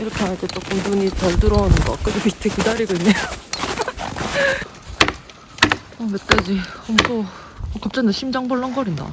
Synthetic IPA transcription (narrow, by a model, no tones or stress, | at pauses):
iɾʌkʰeɦanaɭt͈e̞t͡ɕ͈ok͈ɯmtuɲitʌɭdɯɾʌnɯnɡʌ̰k͈ɯɡupistʰekidaɾiɡoiɲːaj | ʌmet͈ad͡ʑiʌsʰo | kap̚t͡ɕ͈anɯɕʰimd͡ʑaŋbʌɭːʌŋɡʌɾinda̰